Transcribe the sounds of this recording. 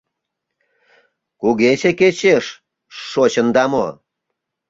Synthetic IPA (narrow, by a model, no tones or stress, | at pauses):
kuɣeɕeket͡ɕeʃː | ot͡ɕə̆nd̪ɑmo